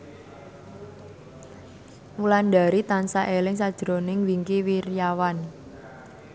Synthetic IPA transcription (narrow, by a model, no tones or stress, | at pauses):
mulanda̤ɾit̪ansaʔelɪŋsad̥ʒ̥ɾonɪŋwiŋkiwirjawan